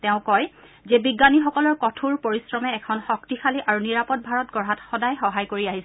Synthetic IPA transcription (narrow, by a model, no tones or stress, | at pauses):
tɛʊ̃kɔj | zɛbiɡːanixɔkɔlɔɹkɔtʰuɹpoɹisɹɔmɛːkʰɔnxɔktixʰaliʔaɹuniɹapɔt̚bʱaɹɔtɡɔɹɦatxɔdajxɔɦajkoɹiaɦis